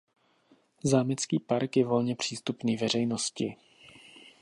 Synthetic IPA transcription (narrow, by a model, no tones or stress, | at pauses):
zaːmɪt͡skiːpaɾkjɛvo̞lɲɛpr̝̥iːst̪upniːvɛr̝ɛjnoscɪ